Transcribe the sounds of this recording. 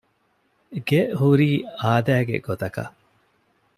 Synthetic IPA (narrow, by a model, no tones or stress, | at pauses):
ɡehuɾiːaːd̪æːɡḛɡ̥ot̪ɐkɐ̰